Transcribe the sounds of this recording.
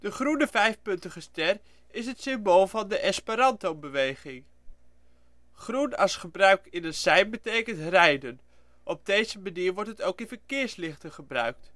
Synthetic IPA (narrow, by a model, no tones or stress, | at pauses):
d̥əχrunəvɛjfpɵntəχəstɛr | ɪs̬ɦətsɪmbolˠvɑndəʔɛspaɾɑntowmbəʋejχɪŋ | χrunɑsχəbrœɥkɪnətsɛjmbətejkəntrɛjdən | ʔɔb̚dejzəmaniːɹʋɔɹtɦətowkɪnvəɹkɪːɹslɪχtəχəbrœ̰ɥk̚t